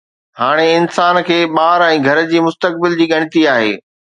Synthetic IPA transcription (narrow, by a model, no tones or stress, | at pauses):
haːɽ̃eɪnsaːnkʰeːɓaːɾɛ̃ːɡʱɐɾ̆d͡ʑiːmʊst̪ək̚bɪld͡ʑiːɠɐɽ̃ɪ̆t̪iaːɦḛː